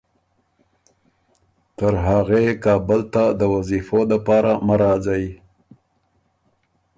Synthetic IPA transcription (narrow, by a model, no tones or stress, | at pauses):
t̪əɾɦaɣekɑbəlt̪ad̪əwazifod̪əpɑɾamaɾɑzawi